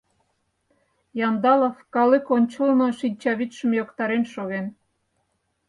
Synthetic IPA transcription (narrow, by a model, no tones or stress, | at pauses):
jɑnd̪ɑlofkɑlekonʲt͡ɕəlnŏʃinʲt͡ɕɑβit̪ʃə̆mjokt̪ɑɾenʃoɣen